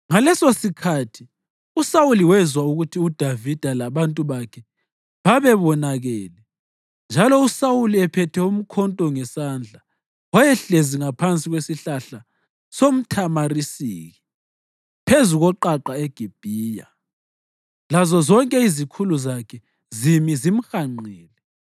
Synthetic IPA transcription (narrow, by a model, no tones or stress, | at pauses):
ŋalɛsosikʰatʰi | usawuliwɛzwauɣutʰiud̥ʱavid̥ʱalaβantʼuβakʰɛ | βaβɛβɔnaɣɛːlɛ | nd͡ʒʱalɔusawuliɛpʰɛtʰɛum̩kʰɔntʼɔŋɛsand͡ɮʱa | wajɛɬeziŋapʰant͡sʼiɣwesiɬaɬa | som̩tʰamarisḭːɣi | pʰezuɣɔǃaǃaeɡ̥ʱib̥ʱiːja̰ | lazɔzɔŋkʼɛizikʰuluzakʰɛ | zimizim̩xaŋ͡ǃɛːlɛ